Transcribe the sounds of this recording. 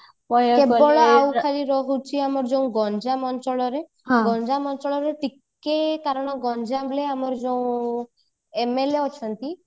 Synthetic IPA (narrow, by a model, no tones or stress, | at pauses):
pɔjebɔɭɔawkʰaɾiɾɔɦut͡ʃʰiamɔɾd͡ʒeũɡɔnd͡ʒamɔnt͡ʃɔɭɔɾe | ɦɡɔnd͡ʒamɔnt͡ʃɔɭɔɾeʈikː | ekaɾɔɽ̃ɔɡɔnd͡ʒableamɔɾd͡ʒeũ | emeleɔt͡ʃʰɔnt̪i